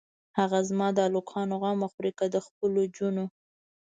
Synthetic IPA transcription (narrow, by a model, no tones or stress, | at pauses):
haɣazmɑd̪əalokʰɑnoɣɑmaxɾikad̪əxpəlod͡ʒuno